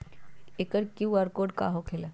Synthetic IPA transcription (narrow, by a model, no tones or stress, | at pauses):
ekəɾkiʋəɾkoːɖka̰ːɦokʰela